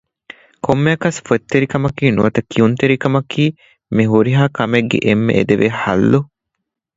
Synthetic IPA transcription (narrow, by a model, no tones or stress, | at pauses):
komːeɐkɐsfet̪ːeɾikɐmɐkiːnuʋɐt̪ɐkʰiunt̪eɾikɐmɐkiː | miɦuɾiɦaːkɐmeɡːḛʔemːḛʔed̪eʋehɐ̰lːu